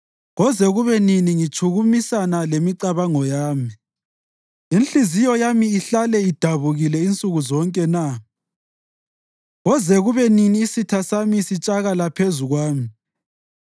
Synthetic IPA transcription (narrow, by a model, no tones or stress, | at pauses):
ɣɔzɛɣuβɛniniŋit͡ʃʰʼuɣumisanalemiǀaβaŋɔjaːmi | inɬizijɔjamiːɬalɛid̥ʱaβuɣilɛint͡sʼuɣuzɔŋkʼɛna | ɣɔzɛɣuβɛniniːsitʰasamisit͡ʃʼaɣalapʰezuɣwaːmi